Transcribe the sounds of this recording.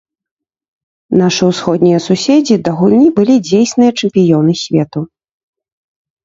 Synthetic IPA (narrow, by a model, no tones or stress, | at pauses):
naʂɨwsxɔd̪̚nʲijɐsusʲɛd͡zʲid̪ɐɣulʲnʲibɨlʲid͡zʲejsʲnɨjɐt͡ʂɛmpʲijɔnɨsʲvʲɛt̪u